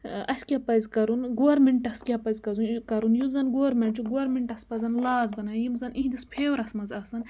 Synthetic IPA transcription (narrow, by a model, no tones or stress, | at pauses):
ɐsʲkʲɐpɐzʲkɐɾunɡoɾmeɳʈɐskʲɐpɐzʲkɐzunkɐɾunjuzɐnɡoːɾmeɳʈuɡoːɾmeɳʈɐspɐzɐnlaːzbɐnɐjimzɐnʔĩɦd̪ispʰeːwɾɐsmɐzɐsɐn